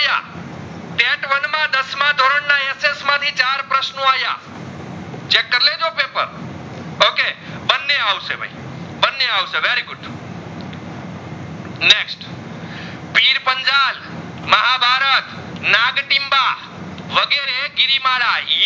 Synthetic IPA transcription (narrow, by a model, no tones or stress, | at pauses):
ja̰ | t̪eʈʋənmãd̪əsmãd̪ʱoɾəɳnãesesmãt̪ʰit͡ʃaɾpɾəʃnoaja̰ | t͡ʃekːəɾled͡ʒopepə̰ɾ | okebənːeaʋʃḛbʱa̰j | bənːeaʋʃeʋeɾiɡʊɖ | neksʈ | piɾpəɲd͡ʒal | məɦabʱaɾət̪ | naɡʈimba | ʋəɡeɾeɡɪɾimaɭaɦi